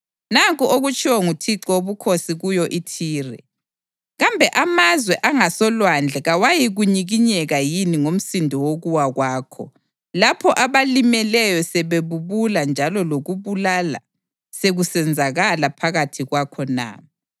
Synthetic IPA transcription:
naɣuʔoɣut͡ʃʰʼiwɔŋutʰiǁɔoβukʰosiɣujɔʔitʰiːrɛ̰ | ɣambʱɛʔamazwɛʔaŋasɔlwand͡ɮʱɛɣawajiɣuɲiɣiɲɛɣajiniŋom̩sindʱɔwoɣuwaɣwaːkʰɔ̰ | lapʰɔʔaβalimɛlɛjɔsɛβeβuβuland͡ʒʱalɔloɣuβulala̰ | seɣusɛnd͡zʱaɣalapʰaɣatʰiɣwakʰɔna̰ː

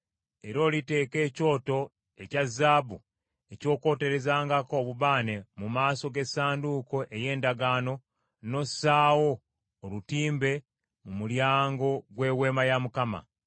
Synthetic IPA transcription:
e̞ɾo̞ːlite̞ːke̞ːco̞ːto̞ | e̞cazːaːbu | e̞co̞ːko̞ːte̞ɾe̞zaːŋɡako̞ːβuβaːne̞mumaːso̞ɡe̞saːnduko̞ʔe̞je̞ːndaɡaːno̞ | no̞saːwo̞ː | lutiːmbe̞ | mumuljaːŋɡo̞ɡwe̞we̞ːmajamukama̰

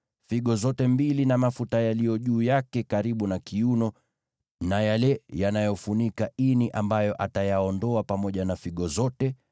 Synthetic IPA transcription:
fiɠɔzɔtɛmbilinamafutajalijɔʄuːjakɛkaɾiɓunakiunɔ | najalɛjanajɔfunikainiʔambajɔʔatajaɔndɔapamɔʄanafiɠɔzɔtɛ

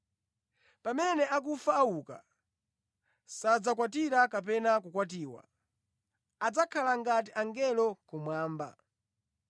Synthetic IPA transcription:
pamɛnɛak̬ufaːwuka̰ | sad͡zakwat̬iɾakap̬ɛnakukwat̬iːwa̰ | ad͡zakʰalaŋɡat̬iʔaŋɡɛlɔkumwaːmba̰

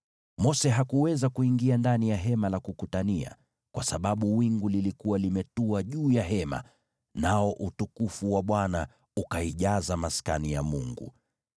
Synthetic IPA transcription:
mɔsɛɦakuwɛzakuiŋɡiandanijaɦɛmalakukutania̰ | kwasaɓaɓuwiŋɡulilikuwalimɛtuaʄuːjaɦɛma̰ | naɔʔutukufuwaɓwana | ukaiʄazamaska̰nijamuŋɡṵ

